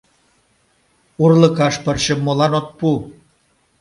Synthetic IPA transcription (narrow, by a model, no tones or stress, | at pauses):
urləkɑʃpə̆rʃəmːolɑnot̪̚pu